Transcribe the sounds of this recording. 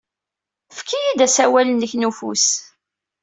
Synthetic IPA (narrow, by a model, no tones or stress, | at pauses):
fkʰijid̪æsæwælənːəçnufṵs